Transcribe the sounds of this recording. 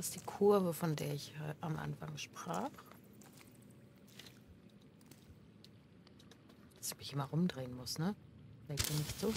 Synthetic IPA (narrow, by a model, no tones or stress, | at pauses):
asd̥iːkʰʊɐvəfɔndeːɐɪçʔamʔa̰nfaŋʃpʁ̥aːχ | d̥ḁsɪçmɪçʔɪmaʁʊmdʁeːənmʊsnə̥ɛkb̥ɪnɪçtz̥oː